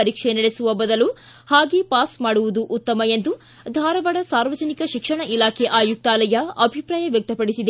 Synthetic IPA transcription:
ɐɾikʂenɛɭesuʋɐbɐd̪ɐlu | haːɡepaːsmaːɽuʋud̪uʔut̪ːɐmɐend̪u | d̪ʱaːɾɐʋɐɽɐsaːɾʋɐd͡ʒɐnikɐʃikʂɐɳɐʔilaːkʰeʔaːjuk̚t̪aːlɐjɐɐbʱipɾaːjɐʋjɐk̚t̪ɐpɐɽisid̪e

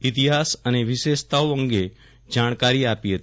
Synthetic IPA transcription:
ɪt̪iɦaːsəneʋɪʃeʃt̪aoə̃ŋɡe | d͡ʒaːɽ̃kaɾiapiɦət̪

